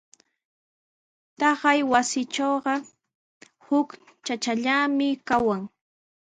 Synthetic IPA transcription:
t̪ɑɢajwasɪt͡ʃoːɢɑ | hʊk | t͡ʃat͡ʃaʎamɪkawaŋ

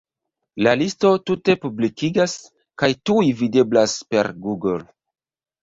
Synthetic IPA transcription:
lalisto̞tute̞publikiɡas | kajtuivide̞blaspe̞̰ɾɡuɡol

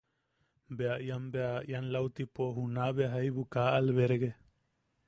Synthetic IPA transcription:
beaʔjambeaʔjanlawt̪ipoɦunabeaɦajbukaʔalβeɾeɡe

